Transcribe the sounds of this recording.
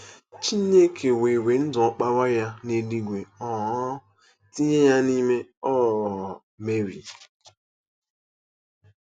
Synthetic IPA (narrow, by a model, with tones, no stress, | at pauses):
t͡ʃi˦ne˦kʰe˨we˨we˨n̩˦dʊ˨ɔ˦k͡pa˦wa˦ja˦ne˨li˦ɡʷe˨ɔ˨ɦ | ti˦ɲe˦ja˦ni˦me˦ɔ˦˨ɔ˨ | me˦ɾḭ˨